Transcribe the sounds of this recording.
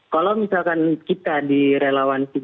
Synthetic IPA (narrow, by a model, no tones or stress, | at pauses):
kalomisalkankit̪adiɾelawansi